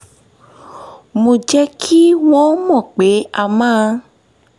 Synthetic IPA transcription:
mõ˧d͡ʒɛ˦kʰi˦w̃ɔ̃˦mɔ̃˦˨k͡pe˨˦a˧mã˦˧

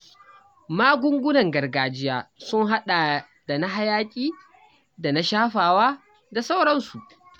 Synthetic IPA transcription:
maː˦ɡʷʊ˦ŋɡʷʊ˦nɐ˨ŋɡɐ˨rɡaː˨d͡ʒɪ˦jaː˨sʊ˦ŋɦa˦ɗa˨ | da˨na˦ɦa˦jaː˦kʲʼiː˦ | da˨na˦ʃaː˦ɸaː˨waː˦ | da˨sa˦wɽɐ˦nsu˨ʔ

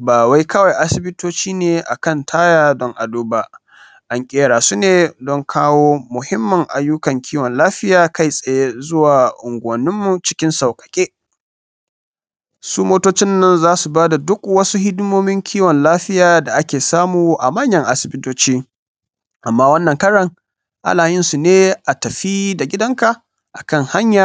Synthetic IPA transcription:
baː˨wa˦jkɐ˦wa˨jʔa˦sɪ˦bɪ˦toː˦t͡ʃiː˦neː˨ʔa̰˨kɐ˦˨ntʰaː˦jaː˨dɔ˦ŋʔa˨duː˦ba˦ | ʔa˨ŋkʲʼeː˦ɽaː˨su˦neː˨dɔ˦ŋkʰaː˦woː˦mʊ˨hɪ˦mːɐ˨ŋʔa̰˨jːʊ˦kɐ˨ŋkʲʰiː˦wɔ˨nlaː˦ɸɪ˦jaː˨ka˦˨jsʼɐ˨je˦zʊ˦waː˨ʔʊ˨ŋɡʷːnɪ˦mːu˨t͡ʃɪ˦kʲɪ˦nsa˨wkʼɐ̥˨kʲʼeː˦ | suː˦moː˦toː˦t͡ʃɪ˦nːɐ˦nzaː˦su˨baː˦da˨dʊ˦kwɐ˦su˦hɪ˦dmoː˦mɪ˦ŋkʲʰiː˦wɔ˨nlaː˦ɸɪ˦jaː˨da˨ʔa˦kʲeː˨saː˦muː˨ʔa̰˨mɐ˦ɲjɐ˦ŋʔa˨sɪ˨bɪ˦toː˦t͡ʃiː˦ | ʔa˨mːaː˦wɐ˦nːɐ˨ŋkɐ˦ɽɐ˨ŋ | ʔa̰˦laː˨jɪ˦nsu˨neː˦ʔa˨tɐ˨ɸiː˦da˨ɡʲɪ˦dɐ˦ŋka˨ | ʔa˨kɐ˦ŋha˦ɲjaː˨

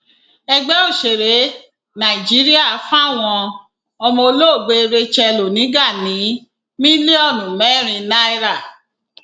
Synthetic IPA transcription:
ɛ˧ɡ͡bɛ˦o˦˨ʃe˨ɾe˨˦ | nã˨i˨d͡ʒi˨˦ɾi˦a˦˨˦fã˦˨w̃ɔ̃˧ | ɔ˧mɔ̃˧o˧lo˦˨ɡ͡be˧ɾe˧t͡ʃɛ˧lo˨nĩ˨˦ɡa˦˨nĩ˨˦ | mĩ˦li˦ɔ˦˨nũ˨mɛ˦˨ɾ̃ĩ˧na˦i˦ɾa˦˨

